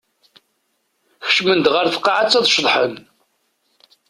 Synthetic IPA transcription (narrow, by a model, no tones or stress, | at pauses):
xə̥ʃmənd̪ʁəɾθə̥qːɑʕat͡sːɑðˤʃðˤħən